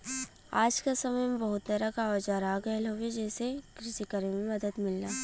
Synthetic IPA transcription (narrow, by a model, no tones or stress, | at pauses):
aːd͡ʒkasɐməjmẽbɐɦʊt̪̚d̪ɐɾakaɔːd͡ʒaɾaːɡɛlɦowed͡ʒɛːsekɾɪʃikəɾemẽmɐd̪əd̪mɪlnaː